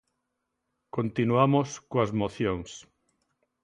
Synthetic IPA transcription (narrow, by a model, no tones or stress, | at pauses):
kont̪inwamoskoazmoθjoŋs